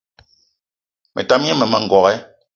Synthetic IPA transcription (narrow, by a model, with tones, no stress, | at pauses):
mɛ̰˨ta˦m˦ɲɛ˦mɛ˨ma˨ŋ̩˨ɡɔ˨ɣɛ˦